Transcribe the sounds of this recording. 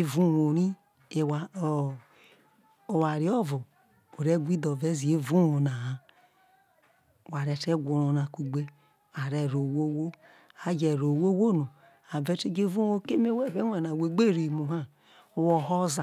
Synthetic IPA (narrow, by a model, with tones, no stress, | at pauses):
e˦vu˦wo˨ɾi˦˨ | wa˨ | o˨wa˨ɾi˦ɔ˦vo˨ | o˨ɾe˦ɡʷi˦do˨ve˦zi˨e˦vu˦wo˨na˨a˨ | wa˨ɾe˨te˦ɡʷu˨ɾo˨na˨ku˨ɡ͡be˦ | a˨ɾe˨ɾo˨wo˦wo˦ | a˦d͡ʒe˨ɾo˨wo˦wo˦no˨ | a˨ve˦te˦d͡ʒe˦vu˦wo˦ke˦me˦we˦˨ve˦e˨na˨we˨ɡ͡be˦˨ɾi˨mu˨ɦa˦ | wo˨ho˦za˨